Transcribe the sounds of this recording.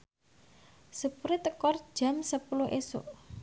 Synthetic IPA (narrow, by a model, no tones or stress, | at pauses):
supuɾɪt̪əkɔrd̥ʒ̥a̤msəpulʊɦʔeso̰ʔ